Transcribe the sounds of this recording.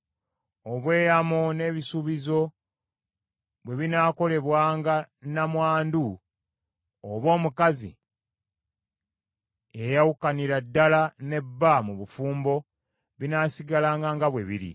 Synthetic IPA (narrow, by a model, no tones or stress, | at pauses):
o̞βwe̞ːjamone̞ːβisuβizo̞ | βwe̞βinaːko̞le̞βwaːŋɡanamwaːndu | oβo̞ːmukazḭ | ejawukaniɾadːalane̞bːamuβufuːmbo̞ | βinaːsiɡalaːŋɡaŋɡaβwe̞βḭɾḭ